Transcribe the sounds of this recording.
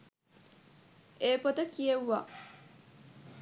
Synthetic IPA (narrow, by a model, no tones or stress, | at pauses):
eːpot̪ɐkijewːa̰